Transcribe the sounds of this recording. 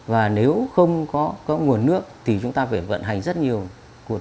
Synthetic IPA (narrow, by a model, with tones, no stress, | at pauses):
vaː˨˩ne˨˦wxə˧wŋ͡mkɔ˨˦kɔ˨˦ŋu˨˩ənːɨ˦˥ək̚t̪ʰi˨˩t͡ɕʊ˨˦ŋ͡mt̪aː˧fa˧˩və̰˧˨nɦa˨˩jŋ̟zə˦˥t̚ɲi˨˩əw | ku˨˩